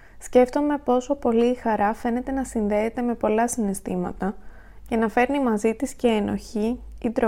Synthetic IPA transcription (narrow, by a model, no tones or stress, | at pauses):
sce̞ft̪o̞me̞po̞so̞po̞liːxɐɾɐfe̞ne̞t̪e̞nɐsinðe̞ːt̪e̞me̞po̞lɐsinest̪imɐ̰t̪ɐ | cenɐfe̞ɾnimɐzit̪isce̞ːno̞̰çiːd̪ɾo